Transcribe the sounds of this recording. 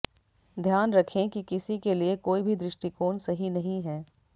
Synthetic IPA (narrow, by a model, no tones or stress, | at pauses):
d̪ʱjaːnɾɐkʰẽkikɪsikeliekoːibʱid̪ɾɪʃʈikoːnsɐɦinɐɦĩɦɛː